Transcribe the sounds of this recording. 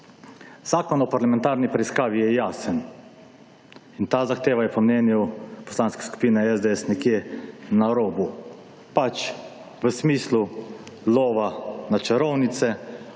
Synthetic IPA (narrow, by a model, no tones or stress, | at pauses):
z̥aːkɔnɔpaɾlamɛ̃nt̪aːɾnipɾɛiskaːʋijɛjaːsən | int̪aːzaxt̪eːʋajɛpɔmnɛːnjupɔ̥slaːnskɛ̥sku̥piːnɛɛzd̪eɛsnɛkjeːnaɾoːbu | pat͡ʃ | ʋəsmiːslu | loːʋanat͡ʃɛɾɔwnit̪sɛ